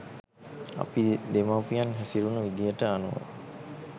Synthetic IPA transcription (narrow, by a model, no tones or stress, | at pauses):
a̰pid̪emawpijanɦæsiɾunəʋid̪ijəʈəanṵʋə̰